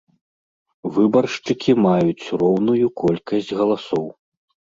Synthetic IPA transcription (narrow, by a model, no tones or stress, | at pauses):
vɨbɐrʂt͡ʂɨkʲimajut͡sʲrɔwnujukɔlʲkɐsʲd͡zʲɣɐlˠasɔw